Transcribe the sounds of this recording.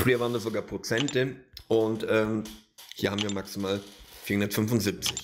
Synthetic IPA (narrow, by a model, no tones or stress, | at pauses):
fiːɐvaːɐndaːzoɡaːɐpʁ̥ot͡sɛntəʔʊntʔɛːmhiːɐhaːbm̩viːɐmaksimaːlfiːɐhʊndɐtfʏnvʊnzɪp̚t͡sɪç